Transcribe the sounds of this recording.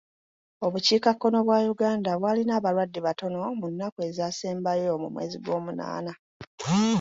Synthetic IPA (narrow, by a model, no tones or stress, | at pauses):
o̞βuciːkakːo̞no̞βwaːjuɡaːndaβwaːlinaːβalwadːiβato̞no̞munːake̞zaːseːmbajomumwe̞̰ːziɡwo̞ːmuna̰ːna